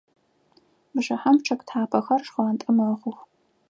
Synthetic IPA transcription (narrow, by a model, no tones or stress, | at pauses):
bʒɐħamʈ͡ʂʰɐkʼtħaːpʰɐxɐrʂχaɐntʼɨmɐʁʊx